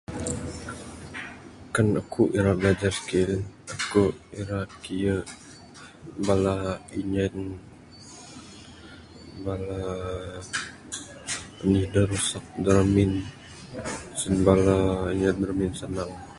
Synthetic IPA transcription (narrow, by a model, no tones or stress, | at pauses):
kanəkʰuʔiɾablad͡ʒarskiləkuʔiɾakijə | balaiɲən | bala | ənihdəɾusak̚dəɾamin | sənbalaiɲənbəɾminsanaŋ